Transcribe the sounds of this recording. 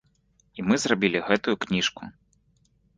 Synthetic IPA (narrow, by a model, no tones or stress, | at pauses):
imɨzrabʲilʲiɣɛt̪ujuknʲiʂkṵ